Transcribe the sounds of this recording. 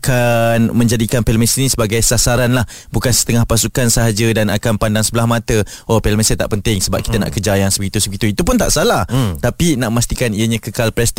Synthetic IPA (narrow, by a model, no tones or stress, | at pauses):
akanmə̃ɲd͡ʒadikanpelmɛsinĩsəbaɡajsasaɾanlah | bukansə̥t̪əŋahpasukansəɦad͡ʒədanakanpandaŋsəbəlahmat̪ə | opɛlmɛsət̪a̰ʔpənt̪ɪŋsəba̰p̚ki̥t̪əna̰ʔkəd͡ʒajaŋsəbəɡit̪usəbəɡit̪uit̪up̬ʊnt̪a̰ʔsalaht̪apinaʔəmast̪ikaniəɲãkəkalpɾɛst̪